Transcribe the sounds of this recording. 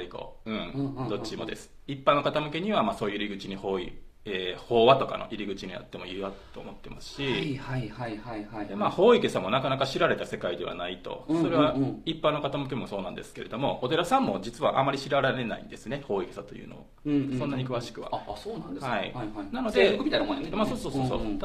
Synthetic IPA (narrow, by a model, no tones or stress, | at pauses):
ɾʲiko̞̰ɯ̟̃d̪o̞t͡ɕːimo̞̰d̪e̞sɨ̥ipːanokat̪amɯ̟ke̞ɲ̟iβamaːso̞ːjɯiɾʲiɡɯ̟t͡ɕiɲ̟iho̞ːḭ | eːho̞ːβat̪o̞ka̰no̰ʔiɾʲiɡɯ̟t͡ɕiɲ̟ija̰t̪ːe̞mo̞iβao̞ːmo̞t̪ːe̞masɨ̥ɕiahaaad̪emaːho̞ːikesamo̞nakanakaɕiɾaɾe̞t̪ase̞kaid̪e̞βa̰nait̪o̞̰so̞ɾe̞βaipːanːokat̪amɯ̟k̬e̞mo̞so̞ːnãnd̪e̞̰sɨ̥ke̞ɾe̞d̪o̞mo̞ot̪e̞ɾasãmːo̞d͡ʑit͡sɨβaʔamːaɾʲiɕiɾaɾaɾe̞na̰ḭ̃nd̪e̞sɨne̞ho̞ːike̞sat̪o̞jɯ̟̰ːno̞̰o̰ | sõ̞nːaɲ̟ikɯ̟βaɕi̥kɯ̟βa̰soːnãnd̪ehaḭnano̞d̪emʲit̪ainaõnmasoːsoːsosoː